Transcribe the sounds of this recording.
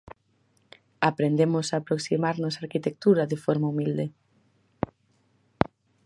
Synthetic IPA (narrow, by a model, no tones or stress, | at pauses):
apɾend̪emʊsaːpɾoksimaɾnʊsaɾkit̪ek̚t̪uɾɐðɪfɔɾmaumild̪e